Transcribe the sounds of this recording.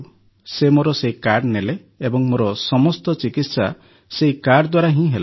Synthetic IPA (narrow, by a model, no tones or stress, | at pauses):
semoɾɔseikaɾɖneleː | bɔŋmoɾɔsɔmɔst̪ɔt͡ʃikit̪sa | seikaɖd̪waɾaɦĩɦela